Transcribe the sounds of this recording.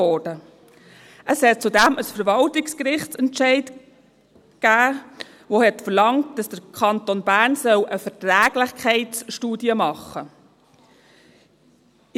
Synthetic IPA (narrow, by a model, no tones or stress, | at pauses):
ɔd̥ə | ʔəshɛt̚t͡sudæməsfəɾvɑltɪkskɾɪχtt͡sɛntt͡ʃɛɪt | kæː | vohɛtfəɾlɑŋtd̥ɑsd̥əɾkʰɑntonbæːɾnsœwʔəfətɾæːɡ̥lɪχkʰɛɪtsʃtuːdiəmɑχːə